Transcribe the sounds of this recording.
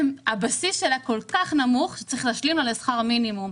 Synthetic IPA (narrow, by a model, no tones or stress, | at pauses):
mabasisʃelako̞lkaχnamuχʃe̥t͡saʁiχlaːʃlimalesχaʁminimum